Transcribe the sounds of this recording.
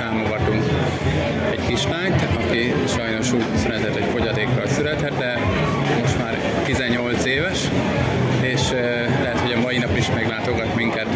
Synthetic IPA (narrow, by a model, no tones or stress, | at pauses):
aːmo̞ɡɒt̪uŋk | ɛ̰ɟkiʃlaːɲt̪ɒki | ʃɒjno̞ʃuːɟsyɾɛt̪ɛt̪ɛcfo̞ɟɒd̪eːkːɒlsyɾɛt̪ɛt̪̚d̪ɛ | mo̞ʃt̪maːr | t̪izɛɲːo̞lt̪seːvɛʃ | eːʃ | lɛɦɛt̪ho̞ɟɒmɒjinɒpiʃmɛɡlaːt̪o̞ɡɒt̪miŋkɛt̪